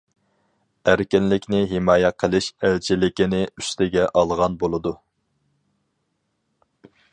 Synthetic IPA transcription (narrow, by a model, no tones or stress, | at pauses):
æɾkʲɪnlɪkʲnɪɦɪmɑːjɛqʰəlˠɪʃælt͡ʃʰɪlɪkʲɪnɪy̥st̪ʰɪɡʲɛʔɑlˠʁɑnbolˠɨd̪u